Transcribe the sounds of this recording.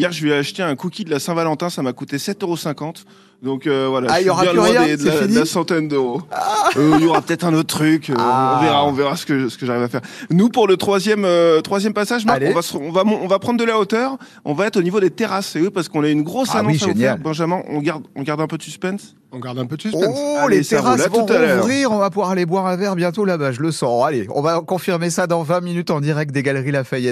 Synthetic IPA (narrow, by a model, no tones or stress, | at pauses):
jɛʁʒəvɛaʃt̪eɛ̃kukʲid̪əlasɛ̃valɑ̃t̪ɛ̃samakut̪esɛt̪øʁosɛ̃kɑ̃t̪ | d̪ɔ̃køvwalaɔʁaɛ̃ɔ̃d̪d̪əad̪lasɑ̃t̪ɛnd̪øʁo | iiljɔʁapət̪ɛt̪χɛ̃not̪̚t̪χykøɔ̃veʁaɔ̃veʁasə̥kəsə̥kəʒaʁivafɛʁnupuʁlət̪χwazjɛmøt̪χwazjɛmpasaʒmãvasɔ̃vamɔ̃ɔ̃vapχɑ̃nd̪d̪əlaot̪œʁ | ɔ̃vaɛt̪χonivod̪et̪eʁasewipaʁsə̥kɔ̃naynɡʁosanɔwĩssaʒenjabɑ̃ʒamɑ̃ʔɔ̰̃ɡaʁd̪ɔ̃ɡaʁd̪ɛ̃pød̪əsyspɛ̃ns | ɔ̃ɡaʁd̪ɛ̃pød̪əsysoɛ̃let̪eʁaslavɔũt̪alœuʁiʁɔ̃vapuvwaʁlebwaʁɛ̃vɛʁbjɛ̃t̪olabaʒələsɑ̃aleɔ̰̃vakɔ̃fiʁmesad̪ɑ̃vɛ̃minyt̪ɑ̃d̪iʁɛk̚t̪d̪eɡalʁilafajɛt̪